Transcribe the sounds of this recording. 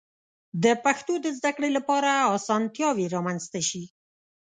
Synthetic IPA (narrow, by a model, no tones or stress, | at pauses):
d̪əpaxt̪od̪əzd̪akɽelapɑɾaɑsɑnt̪jɑweɾɑmanzt̪aʃi